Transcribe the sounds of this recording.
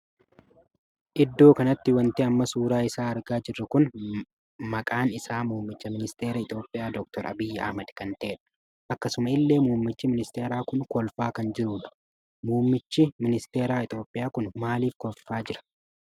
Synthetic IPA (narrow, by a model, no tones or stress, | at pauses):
ʔɪd̪ːo̞ːkɐnɐt̪ːɪwɐnt̪eɐmːɐsuːɾaːɪsaːɐɾɡaːd͡ʒɪrːɐkʊn | mɐkʼaːnɪsaːmuːmːɪt͡ʃːɐmɪnɪst̪e̞ːɾɐɪt̪ʼjo̞ːpʼːɪjaːd̪ɔk̚t̪ɔɾɐ̰bɪjːɐɐ̰hmɐd̪kɐnt̪ɐʔɛᶑɐ̥ | ʔɐkːɐsʊmɐɪlːe̞ːmuːmːɪt͡ʃːɪmɪnɪst̪e̞ːɾaːkʊnkɔlfaːkɐnd͡ʒɪɾuːᶑɐ̥ | muːmːɪt͡ʃːɪmɪnɪst̪e̞ːɾaːɪt̪ʼjo̞ːpʼːɪjaːkʊnmaːliːfkɔffaːd͡ʒɪɾɐ̥